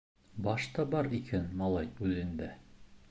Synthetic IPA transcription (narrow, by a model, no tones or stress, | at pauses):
bɑʃt̪ɑbɑɾikʰænmɑlˠɑjʉðɘ̆nd̪æ